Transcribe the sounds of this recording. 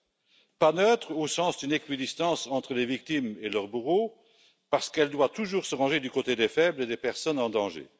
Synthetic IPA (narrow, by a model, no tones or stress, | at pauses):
panøt̪χosɑ̃sd̪ynekɥid̪ist̪ɑ̃sɑ̃t̪χəlevik̚t̪imelœʁbuʁo | paʁsə̥kɛld̪wat̪uʒuːʁsəʁɑ̃ʒed̪ykot̪ed̪efɛbled̪epɛʁsɔnɑ̃d̪ɑ̃ʒḛ